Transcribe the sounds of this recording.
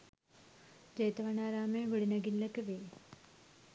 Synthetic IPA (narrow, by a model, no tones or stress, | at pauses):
d͡ʒɐjt̪ɐʋɐɳaːɾaːmẽːʋəɽinɐɡinləkʋeː